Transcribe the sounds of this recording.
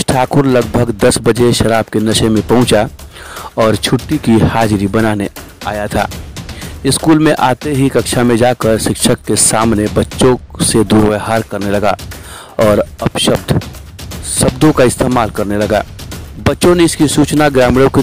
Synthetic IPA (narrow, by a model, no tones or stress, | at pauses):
ʈʰaːkʊɾlɐɡbʱəɡd̪ɐsbəd͡ʒeʃɐɾaːbkenɐʃẽmẽpɐ̃ɦʊ̃t͡ʃa | ɔːɾt͡ʃʰʊʈːikihaːd͡ʒɾibɐnaːne | aːjat̪ʰa̰ː | ɪskuːlmẽʔaːt̪eɦikɐkʃʰamẽd͡ʒaːkəɾʃɪkʃəkːesaːmnebɐtːʃõsed̪uːɾʋeːɦaːɾkɐɾnelɐɡa | ɔːɾɐpʃəbd̪ | ʃɐbd̪ʱõkaɪst̪eːmaːlkɐɾnelɐɡaːbɐtːʃõneɪskisuːt͡ʃnaɡɾaːmɽõki